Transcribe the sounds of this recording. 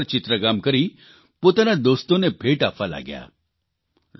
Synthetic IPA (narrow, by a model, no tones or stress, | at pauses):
ɾt͡ʃit̪ɾəɡamkəɾi | pot̪anad̪ost̪onebʱeːʈapʰʋala̰ɡja̰